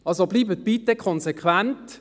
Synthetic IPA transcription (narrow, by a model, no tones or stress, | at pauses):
ɑlsobliːbət̪̚b̥itəkʰɔnsekʰʋænt